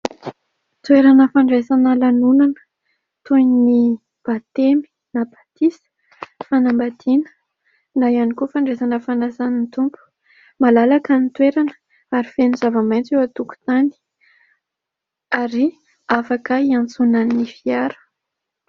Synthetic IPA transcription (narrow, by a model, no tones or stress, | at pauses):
t̪weɾanəfaɳɖ͡ʐesanəlanunanə̥ | t̪ujni | b̥at̪emi̥ | nab̥at̪isə̥ | fanambad̪inə̥ | najanikufaɳɖ͡ʐesanəfanasanint̪umpu̥ | malalakanit̪weɾanə̥ | aɾifenizavamajnt͡sewat̪uku̥t̪ani̥ | aɾi | afakəiant͡sunanifiaɾə̥